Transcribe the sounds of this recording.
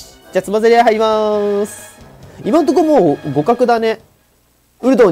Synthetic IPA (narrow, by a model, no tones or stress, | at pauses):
d͡ʑat͡sɨmazeɾʲeɦaimas | imãnt̪̬okomoːɡo̞kakɯ̟d̪ane | ɯ̟ɾɯ̟d̪oː